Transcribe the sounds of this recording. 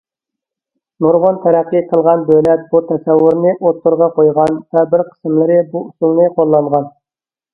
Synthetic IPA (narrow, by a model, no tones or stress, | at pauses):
noɾʁont̪ʰɛɾɛqːijqʰəlˠʁɑnbølɛt̪̚but̪ʰɛsɛwːʊɾnɨʔot̪ːʊɾʁɑqojʁɑnvɛbɪɾqʰə̥smlˠɨɾɪbuusulˠnɨqʰolˠːɑɴʁɑn